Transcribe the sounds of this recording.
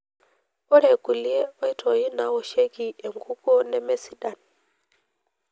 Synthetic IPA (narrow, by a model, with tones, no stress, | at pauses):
ɔ˦ɾɛ˨ɡu˨li˨ɛ˦wa˨i˨tʰɔ˦ji˦na˨wɔ˨ʃe˦ki˦ɛ˨ŋɡu˦kɔ˦nɛ˨mɛ˨si˨da˦n